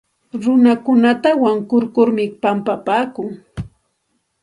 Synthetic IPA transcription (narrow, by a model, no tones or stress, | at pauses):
ɾʊnakʊnat̪awaŋkʊɾkʊɾmɪpampapaːkʊŋ